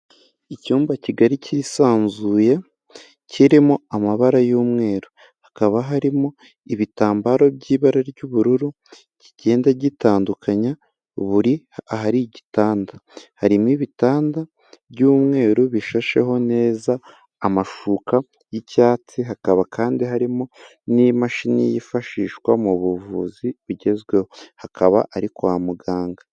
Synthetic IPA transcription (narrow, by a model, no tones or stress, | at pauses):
icuːmbaciɡaɾicʰiɾisaːnzuːje̞ | cʰiɾimoamaβaɾajuːmŋe̞ːɾu | hakaβaɦaɾimo | iβitaːmbaɾo̞bɟiːβaɾaɾɟuβuɾuɾu | ciɟe̞ːndaɟitaːndukaɲa | βuɾi | aɦaɾiɟitaːndahaɾimwiβitaːnda | bɟuːmŋe̞ːɾuβiʃaʃe̞̰ɦo̞ne̞ːzaː | maʃuka | jicaːt͡siɦakaβakʰaːndiɦaɾimo | nimaʃinijifaʃiːʃkwamuβuvṵːziβuɟe̞zɡwe̞hohakʰaβa̰ʔaɾikoamuɡaːŋɡa